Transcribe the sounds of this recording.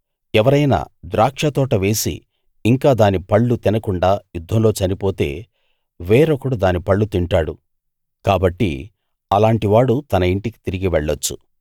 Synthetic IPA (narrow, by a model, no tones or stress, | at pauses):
ɛʋɐɾɐjna̰d̪ɾaːkʂɐt̪ɔːʈɐʋe̞ːsḭː | ŋkaːd̪aːnipɐɭːut̪inɐkuɳɖaːjud̪ʱːɐmlo̞ːt͡ʃɐnipo̞ːt̪e̞̰ː | ʋeːɾokɐɽud̪aːnipɐɭːut̪iɳʈaːɽu | kaːbɐʈːḭ | ɐlaːɳʈiʋaːɽut̪ɐnɐiɳʈiki̥t̪iɾiɡiʋɛɭːɐt͡ʃːṵ